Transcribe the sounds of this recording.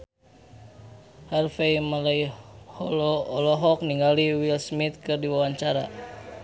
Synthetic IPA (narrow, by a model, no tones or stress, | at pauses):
harfejmalajhɔlɔːlɔɦɔk̚niŋɡaliwilsmit̪̚kɨrdiwawaɲt͡ʃaɾa̰